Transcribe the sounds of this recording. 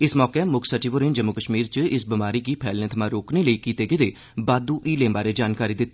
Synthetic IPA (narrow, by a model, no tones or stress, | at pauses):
ɪsmɔːkeːmʊkʰsəʈiːʋʊɾẽnd͡ʒəmːukəʃmiːɾt͡ʃəɪsbɪmaːɾiːkiːpʰɛːlnẽːt̪ʰəmãːɾoːkneːləiːkiːt̪eːkɪd̪eː | baːd̪uːʔiːlẽːbaːɾeːd͡ʒaːnkaːɾiːd̪ɪt̪ː